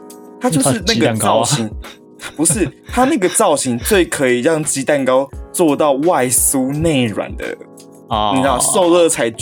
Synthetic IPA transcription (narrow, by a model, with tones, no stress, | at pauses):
t̪ʰa˥t͡ɕjo˥˧ʊʂɻ̩˥˧na˥˩ɡə˨ɑ˥˨ʊɕi˨˦ŋ˥ | pu˨˧˦ʂɻ̩˥˨t̪ʰa˦˥na˥˩ɡə˩t͡sɑ˥˩ʊɕi˨˥ŋt͡swe˥˩ɪkʰɤ˧˦˥i˨˩ɻɑ˥˨ŋt͡ɕi˧˥t̪a˥˩nkɑ˥ʊt͡swɔ˥˧t̪ɑ˥˧ʊwa˥˨ɪsu˦ne˥˩ɪɻwa̰˨˩˦nd̪ə̰˦ | nĩ˨na˥˧so˥˧ʊlɤ˥˨t͡sʰa˧˥ɪ